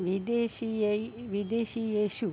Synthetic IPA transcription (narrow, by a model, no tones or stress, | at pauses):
ʋid̪eʃie | ʋid̪eːʃijeːʃu